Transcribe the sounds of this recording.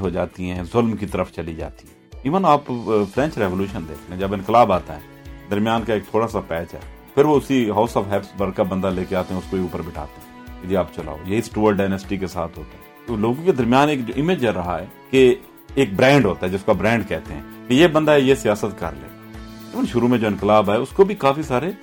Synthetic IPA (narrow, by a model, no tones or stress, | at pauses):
ɦod͡ʒaːt̪iɦɛ̃ːzʊlmkit̪əɾəfʰt͡ʃəlid͡ʒa̰ːt̪iɦɛ̃ːɪʋənaːppʰɾɛ̃ːnt͡ʃɾɛːʋoːljuːʃənd̪ḛːkʰt̪eɛ̃d͡ʒɐbɪ̃nkɪlaːbaːt̪a̰ɦɛː | d̪əɾmjaːnkaeːk̚t̪ʰoːɽasapɛːt͡ʃɦɛ̰ː | pʰɪɾʋoʊsiɦaːʊsɔːʋɦɛːpsbəɾɽkabə̃nd̪aleːkeaːt̪eɦɛ̃ʊskoiuːpəɾbɪʈʰa̰ːt̪eɦɛ̃ | ɪd͡ʒ̪iaːpt͡ʃɐla̰ːo̰jeɪsʈuːəlɖaːɪnəsʈikesa̰ːt̪ʰɦoːt̪aɦɛ | loːɡõked̪əɾmjaːneːkd͡ʒoʔɪmeːd͡ʒɛɾɐɦaɛːke | eːk̚bɾɛ̃ːɳɖɦoːt̪aɦɛd͡ʒɪskabɾɛ̃ːɳɖkɛːt̪eɦɛ̰̃ːkejeːbə̃nd̪ajesɪjaːsət̪kɐ̰ɾlḛːt̪ːɪʋənʃʊɾumẽd͡ʒoːɪ̃nkɪlaːbɛʊskobʱikaːfisaːɾe